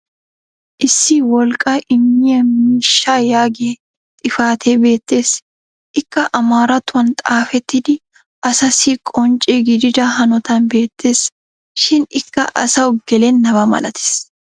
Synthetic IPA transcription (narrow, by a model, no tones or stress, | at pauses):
ʔɪsːiwɔlkʼaʔɪmːɪɐmmiːʃaːjaːɡeː | t̪ʼɪfaːt̪ʰeːbe̞ːt̪ːe̞ːs | ʔɪkːɐʔɐmaːɾɐt̪ʊɐnt̪ʼaːfɛt̪ːɪd̪ɪ | ʔɐsɐsikʼɔnt͡ʃʼeːɡɪd̪ɪd̪aːɦɐnɔt̪ɐnbe̞ːt̪ːeːs | ʃɪnɪkːɐʔɐ̰sɐɔɡɛleːnːɐbɐmɐ̰lʔɐt̪ʰɪ̥s